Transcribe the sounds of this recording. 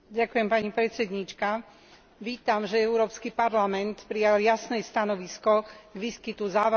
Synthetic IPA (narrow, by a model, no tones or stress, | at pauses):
ɟakujɛmpaɲipɾɛt̪t͡sɛd̪ɲit͡ʃka | ʋiːt̪amʒɛɛʊɾɔːpskipaɾlamɛnt̪pɾijaljasnɛst̪anɔʋiskɔɡʋiːskit̪uzaːʋ